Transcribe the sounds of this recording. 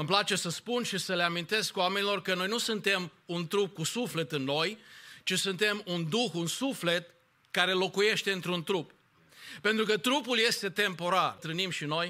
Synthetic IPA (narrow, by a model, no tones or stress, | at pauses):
məmplat͡ʃe̞səspunʃisəleamint̪e̞skwame̞nilo̞rkəno̞jnusunt̪e̞munt̪ɾup̚kusufle̞t̪ɨnːo̞jt͡ʃisunt̪e̞mund̪uxunsufle̞t̪ | kaɾe̞lo̞kuje̞ʃt̪e̞ɨnt̪ɾunt̪ɾup | pe̞nt̪ɾukət̪ɾupulje̞st̪e̞t̪e̞mpo̞ɾart̪ɾɨnimʃino̞j